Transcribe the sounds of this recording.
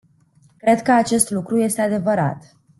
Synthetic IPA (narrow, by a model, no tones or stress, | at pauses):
kɾe̞d̪kəat͡ʃe̞st̪lukɾuje̞st̪ead̪e̞vəɾa̰t̪